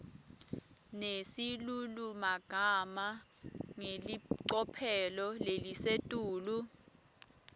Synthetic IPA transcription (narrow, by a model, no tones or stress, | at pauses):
nesilulumaɡ̥ʱamaŋeliǀɔpʰɛlɔlelisetʼuːlu